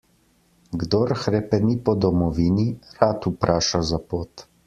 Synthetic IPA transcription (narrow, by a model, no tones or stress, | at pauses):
ɡd̪oːɾxɾɛpɛnipɔd̪ɔmɔʋiːniɾat̪upɾaːʃazapoːt̪